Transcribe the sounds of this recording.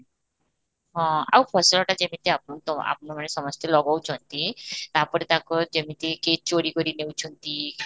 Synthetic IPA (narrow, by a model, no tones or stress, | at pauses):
ɦɔ̃a̰wpʰɔslɔʈad͡ʒemit̪eapɔt̪ɔa̰pnɔmanesɔmɔst̪ʰelɔɡɔwt͡ʃʰɔnt̪it̪apɔɾet̪akɔd͡ʒemit̪eket͡ʃoɽikɔɾinewt͡ʃʰɔnt̪i